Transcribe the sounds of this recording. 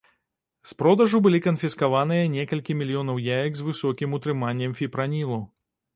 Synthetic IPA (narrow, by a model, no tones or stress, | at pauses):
spɾɔd̪ɐʐubɨlʲikɐnfʲiskavanɨjɐnʲɛkɐlʲkʲimʲilʲijɔnɐwjajɐɡzvɨsɔkʲimut̪ɾɨmanʲːɛmfʲipɾanʲilˠɐ